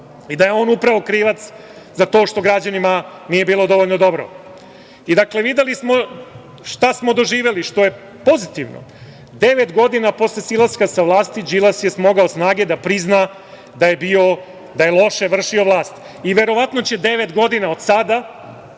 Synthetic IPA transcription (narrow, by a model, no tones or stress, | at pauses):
id̪ajeo̞ːnupɾaʋo̞kɾiːʋat̪s | zat̪o̞ːʃt̪o̞ɡɾad͡ʑanima | nije̞biːlˠo̞d̪o̞ʋoʎnod̪o̞bɾo̰ | id̪akle̞ʋid̪elismo̞ | ʃt̪asmo̞d̪o̞ʒiːʋe̞liʃt̪o̞je̞ | po̞zit̪iʋno̰ | d̪e̞ʋet̪ɡo̞d̪inapo̞slesilˠaskasaʋlˠaːst̪id͡ʒilasjesmo̞ɡaosnaːɡe̞d̪apɾizna | d̪aje̞bio̞ | d̪ajelˠo̞ʃe̞ʋr̩ʃio̞ʋlˠaːst̪ | iʋe̞ɾo̞ʋat̪no̞t͡ɕe̞d̪e̞ʋe̞t̪ɡo̞d̪inaod̪̥sad̪a